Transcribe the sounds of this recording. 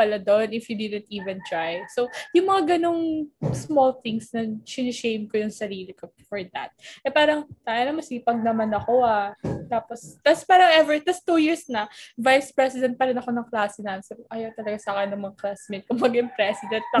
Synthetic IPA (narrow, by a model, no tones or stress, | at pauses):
pɐlad̪onɪfjud̪ɪd̪ɛnt̪ʔiːvɛ̃nt̪ɹajsojʊŋmɐŋaɡɐno̞ŋsmolθɪŋsnɐsɪnɪʃejmkojʊŋsɐɾiːlikofɔɹd̪ɐ̰t̪̚ʔɛpaːɾɐŋt̪aːjanɐmɐnsiɡpɐɡ̚nɐmanɐko̞at̪aːpost̪aspaːɾɐŋɛvɛɹt̪ast̪ujiɹsnɐvajspɹɛsɪd̪ɛnt̪̚pɐɾɪnɐko̞nɐŋklaːsɪnansɐbʔɐjot̪ɐlɐɡasakɐnɐŋmɐŋaklasmɪn̚kʊmbaɡɐjʊŋpɾɛsɪd̪ɛnt̪̚lɐ